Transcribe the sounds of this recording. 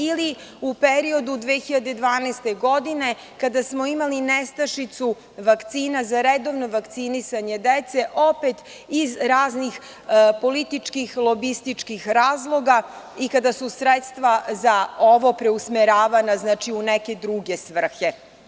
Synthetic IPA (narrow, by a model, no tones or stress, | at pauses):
ili | upeɾio̞d̪ud̪ʋexiʎad̪e̞d̪ʋaːneːst̪e̞ɡo̞d̪ine̞ | kad̪asmoimalinest̪aʃit̪su | ʋakt̪siːnazaɾed̪o̞ʋno̞ʋakt̪sinisaɲe̞d̪et̪se̞ʔo̞pet̪ | izɾaːznix | po̞lit̪it͡ʃkixlˠo̞bist̪it͡ʂkixɾaːzlˠo̞ɡa | ikad̪asusɾet̪st̪ʋazaoʋo̞pɾeusmeɾaːʋanaznaːt͡ʃiuneke̞d̪ɾuɡe̞sʋr̩xe̞